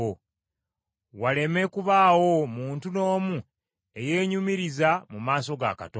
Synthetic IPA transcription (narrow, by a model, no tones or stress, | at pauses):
o | wale̞me̞kuβaːwo̞muːntuno̞ːmu | e̞je̞ːɲumiɾizamumaːso̞ɡa̰ka̰to